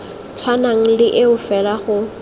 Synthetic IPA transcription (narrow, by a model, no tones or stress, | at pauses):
t͡sʰwanaŋ̩lɪʔɪʊfɛlaχʊ